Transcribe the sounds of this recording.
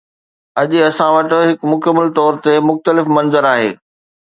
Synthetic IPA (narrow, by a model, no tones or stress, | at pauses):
ɐʄʊ̆ɐsãʋɐʈ̆ɦɪkmʊkəmːəlt̪ɔːɾt̪emʊxt̪əlɪfmɐnzəɾaːɦḛː